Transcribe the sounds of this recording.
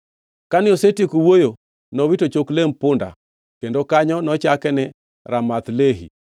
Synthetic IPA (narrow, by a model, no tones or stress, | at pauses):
kanɪosetikuwojo | nɔβitot͡ʃoklem̩pʊnda̰ | kendokaɲɔnɔt͡ʃakɛnɛ | ɾamat̪leɦḭ